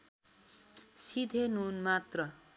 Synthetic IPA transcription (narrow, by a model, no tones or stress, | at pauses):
sid̪ʱenunmat̪rʌ